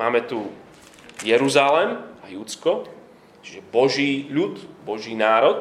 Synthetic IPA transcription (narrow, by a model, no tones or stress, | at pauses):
aːmɛt̪u | jɛɾuzalɛmajut͡skɔ | t͡ʃʒɛbɔʒiːʎut̪bɔʒiːnaːɾɔt̪